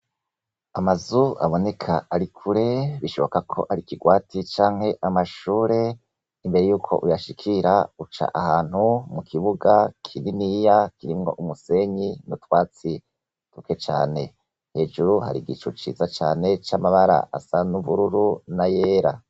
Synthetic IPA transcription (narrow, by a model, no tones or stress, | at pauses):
amazua̰βo̞ne̞kʰaaɾikʰuɾeβiʃo̞βo̞kakʰo̞̰ʔaɾikiɡwaːtʰit͡ʃaːŋhe̞ʔamaʃuːɾe̞ | imbe̞ɾejuːkʰo̞̰ʔujaʃikʰiɾaut͡ʃa̰ʔahaːn̥humukʰiβuɡakʰininijakiɾimŋo̞̰ʔumuse̞ɲinutwaːt͡si | tuke̞t͡ʃa̰ːne̞ | he̞ːʒuɾuha̰ɾḭɡit͡ʃut͡ʃḭːzat͡ʃa̰ːne̞t͡ʃamaβaɾa̰ʔasanuβuɾuɾunajeːɾa